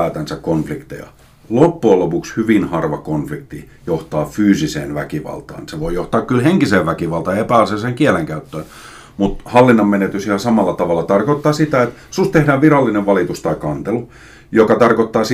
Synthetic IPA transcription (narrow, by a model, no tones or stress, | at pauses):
æːt̪ænsækkonflikt̪ḛjɑ̰ | lopːuɑlopukshyʋinhɑrʋɑkonflikt̪i | joht̪ɑːfyːsisḛːnʋækiʋɑ̰lt̪ɑ̰ːnseʋoijoht̪ɑːkkylheŋkiseːʋʋækiʋɑlt̪ɑjɑepæˑɑseseːŋkiɛæleŋkæyt̪ːøːn | mut̪hɑlːinːɑmmenet̪ysihɑsɑmɑlːɑt̪ɑʋɑlːˑɑt̪ɑrkot̪ːɑːsit̪æet̪ | sust̪ehdæːʋʋirɑlːineʋʋɑlit̪ust̪ɑikɑnt̪elu | jokɑt̪ɑrkot̪ːɑːs